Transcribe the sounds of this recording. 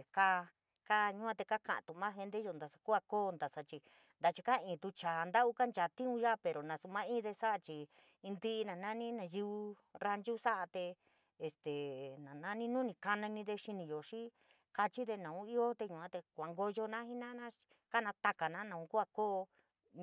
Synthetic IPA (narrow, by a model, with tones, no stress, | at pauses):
e˨ka˦ | ka˦ɲũ˦ã˦˧t̪e˧ka˦kã̰˧˨t̪u˨˧mã˦ɦe˧nd̪e˦o˧nd̪a˨˧sa˧ku˦a˧koː˦˧nd̪a˨sa˧t͡ʃi˧ | nd̪a˧t͡ʃi˧ka˦˧ĩː˨t̪u˧t͡ʃaː˨nd̪a˦ʔu˦ka˦nd͡ʒa˨t̪ĩ˦ũ˧ʒa˦pe˨ɾo˨nã˨su˧mã˦ĩː˦ðe˧sa˦ʔa˧t͡ʃi˧ | nd̪i˦ʔːnã˨nã˦nĩ˦nã˧ji˧u˧ | ɾa˧nd͡ʒu˦sa˦ʔa˧t̪eː˧˨ | st̪e˨nã˨nã˦nĩ˦nũ˦nĩ˧ka˧nã˧nĩ˧ðe˧ʃi˧nĩ˧jo˨ʃĩ˦ | ka˧t͡ʃi˦ðe˧nã˨ũ˦i˦o˦t̪e˧ɲũ˧˨ã˦t̪e˧kʷa˨ŋɡo˧ʒo˧nã˦hi˦nã˦nã˦ | ka˦nã˧t̪a˧ka˨nã˦nã˧ũ˧ku˦a˧koː˦˧